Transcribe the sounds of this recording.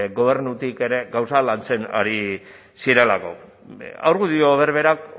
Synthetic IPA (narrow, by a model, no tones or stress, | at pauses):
ɣo̞β̞e̞ɾnut̪ike̞ɾe̞ɣawsalant͡se̞na̰ɾi | siɾe̞lako̞̰ | a̰wɾɣuðio̞β̞e̞ɾβe̞ɾak